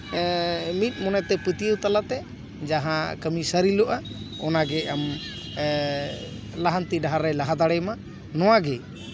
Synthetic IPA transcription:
mit̪̚mɔnɛt̪ɛpət̪iəwt̪alat̪ɛ | d͡ʒaɦãkəmisəɾilɔʔaɔnaɡɛam | laɦant̪iɖaɦaɾɛlaɦad̪aɽɛma | nɔwaɡɛ

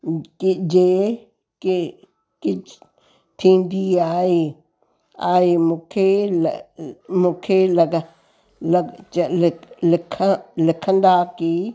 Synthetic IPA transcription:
kid͡ʒe | ki | ki | t̪ʰĩnd̪iai | aimõkʰel | mõkʰelaɡa | lat͡ʃallekʰalekʰand̪aki

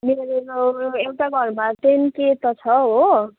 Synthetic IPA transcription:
meɾeɾoewʈaɡʱʌrmat̪enket̪ʌt͡sʰʌɦo

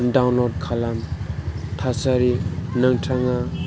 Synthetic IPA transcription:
daŋlord̚kʰalam | t̪ʰasaɾinəŋʈ͡ʂʰaŋa

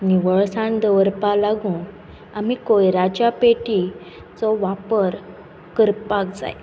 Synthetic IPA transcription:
miʋəɭsãnd̪əʋəɾpalaɡũː | amikojɾad͡ʑjapeʈi | t͡sɔʋapəɾ | kəɾpak̚d͡za̰j

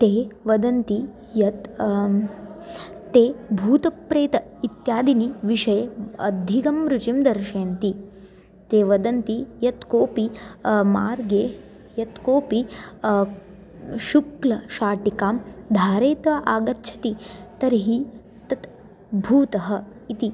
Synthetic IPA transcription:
t̪eːʋɐd̪ɐnt̪i | jɐt̪ | eːbʱuːt̪ɐpɾeːt̪ɐit̪jaːd̪iniʋiʃɐjeɐ̰d̪ʱikɐmɾut͡ʃimd̪ɐɾʃeːnt̪i | t̪eːʋɐd̪ɐnt̪ijɐt̪koːpimaːɾɡeː | jɐt̪koːpi | ʃuklɐʃaːʈikaːmd̪ʱaːɾeːt̪ʋɐʔaːɡɐtːʃʰɐ̥t̪it̪ɐɾiɦi | t̪ɐt̪ | bʱuːt̪ɐɦɐ̆ | it̪i

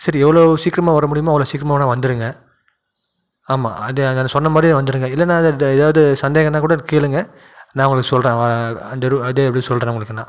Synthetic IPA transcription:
sɐɾiɛʋːɐɭoːsiːkɾɐmãːʋɐɾɐmʊɽɪjɐmaːʋɡɐɭoːsiːkɾɐmanãːʋɐnd̪ɯɾɯŋɡɐ | aːma̰ːɐðeɐɛnːɐsɔnːɐmaːd̪ɾiãʋɐnd̪ɯɾɯŋɡɐɪlːɐnːãːɐðɐɛðaːʋɐðɯsɐnd̪eːɣɐnːãːkuːɽɐkeːlɯŋɡɐ | naːʋʊɡɐɭɯkːɯsɔlrẽːɐnd̪ɐɾɐðeːpːɐɽɪsɔlrẽːɐʊŋɡɐɭɯkːɯnːã̰ː

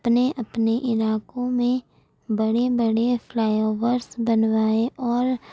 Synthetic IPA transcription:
pneʔɐpneʔɪlaːkõmẽ | bɐɽebəɽefʰlaːjoːʋəɾsbənʋaːeʔɔːɾ

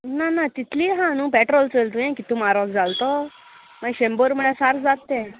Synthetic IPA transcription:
nanat̪it̪ʰliːɦãñũːpɛʈɾɔlt͡səlt̪ũjẽkit̪umaɾʋəɡd͡zalt̪ɔ | məɕemboɾməɭesaɾd͡zat̪ːẽ

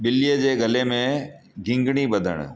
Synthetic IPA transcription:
ɓɪlijəd͡ʑeːɡɐlemẽ | ɡʱɪ̃ŋɡɽ̃ibɐd̪ʱə̰ɽ̰̃̆

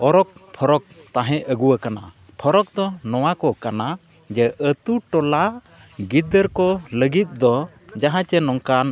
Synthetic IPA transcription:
ɔɾɔk̚pʰɔɾɔk̚t̪ãɦɛ̃ʔəɡuwakana̰ | pʰɔɾɔk̚d̪ɔnɔwakɔkana | d͡ʒɛʔət̪uʈɔla | ɡid̪əɾkɔləɡit̪̚ˀd̪ɔ | d͡ʒaɦãt͡ʃɛnɔŋkan

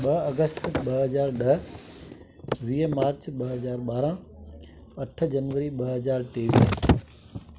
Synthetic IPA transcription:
ɓɐɦɐɡəst̪ɓɐɦɐzaːɾɗɐɦ | ʋiːmaːɾt͡ɕɓɐɦɐzaːɾɓaːɾã | ɐʈ̆ʰd͡ʑɐnʋəɾiɓɐɦɦɐzaːɾʈeːʋis

